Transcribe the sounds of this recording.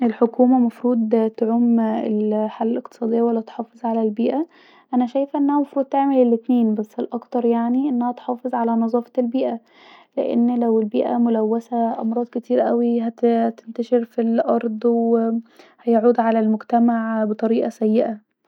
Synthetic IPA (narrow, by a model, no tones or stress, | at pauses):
ʔelħokuːmæmɑfɾuːd̪ˤt̪oʕomelħalːælek̚t̪e̥sˤɑːd̪ejːæwælːæt̪ħɑːfezˤʕalælbiːʔæ | ʔænæʃæjfʔenːæhæmɑfɾuːd̪̚t̪eʕmelelːet̪neːnbæsːelʔɑkt̪ɑɾˤjaʕniʔenːæhæt̪ħɑːfezˤʕalænɑzˤɑːfɑ̥elbiːʔæ | lḛʔḛnːlæwelbiːʔæ̰molæwːæsæʔɑmɾˤɑːd̪ket̪iːɾʔæwiɦæt̪ent̪æʃeɾfilʔɑɾˤd̪ˤw | hæjaʕuːd̪ʕalælmoɡt̪æmaʕbet̪ˤɑɾiːʔæsæjːeʔæ